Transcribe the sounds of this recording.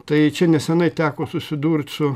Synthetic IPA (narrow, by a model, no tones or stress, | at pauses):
t̪ɐɪt͡ʃʲɛnʲɛsʲɛnɐɪt̪ʲæːkoːsʊsʲɪd̪uːrʲt̪ʲsʊ